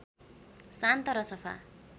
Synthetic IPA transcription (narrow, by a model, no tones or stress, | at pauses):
sant̪ʌɾʌsʌpʰa̰